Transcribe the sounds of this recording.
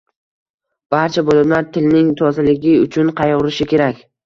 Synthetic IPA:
b̥aɾt͡ʃʰabolɪmlaɾt̪ʰɪlnɪŋt̪ʰɒzalɪɡʲɪʊt͡ʃʰʊnqʰɑjʁʊɾɪʃɪkʲʰe̞ɾakʲ

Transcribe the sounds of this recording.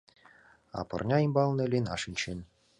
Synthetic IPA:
ɑ̰pɤ̰̆rnʲɑimbɑlˠnelʲenɑ̰ʃɘ̆nʲt͡ɕen

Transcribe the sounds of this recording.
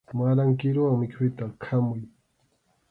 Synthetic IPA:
maɾaŋkiɾowamɪkʰʊjt̪akʰamʊj

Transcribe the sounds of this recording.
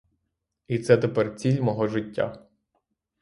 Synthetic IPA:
it̪sɛt̪epɛrt͡sʲilʲmɔɦɔʒɪtʲːa̰

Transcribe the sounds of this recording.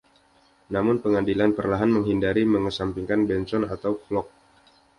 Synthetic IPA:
namʊnpəŋandilanpərlaɦanməŋɦindaɾiməŋəsampiŋkanbɛnsɔna̰t̪awflɔk̚

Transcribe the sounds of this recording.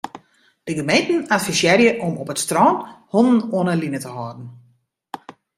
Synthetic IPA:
d̥əɡəmejntn̩atfisjɛɾjəʔɔmɔpətstroːnhɔnn̩ɔənəlinətəɦɔːdn̩

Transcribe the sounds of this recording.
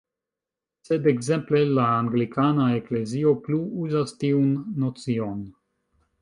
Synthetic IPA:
sed̪eɡzemplelaːŋɡlikanaekleziopluuzast̪iunːot͡sion

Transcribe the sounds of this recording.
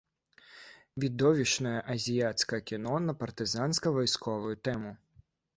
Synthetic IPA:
vʲid̪ɔvʲiʂnɐjɐʔɐzʲijat̪skɐɐkʲinɔnɐpɐrt̪ɨzanskɐvɔjskʰɔvujut̪ɛmu

